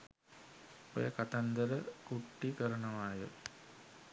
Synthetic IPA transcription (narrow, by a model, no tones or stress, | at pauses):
o̰jəkat̪and̪əɾəkuʈːikəɾənəʋaːjə̰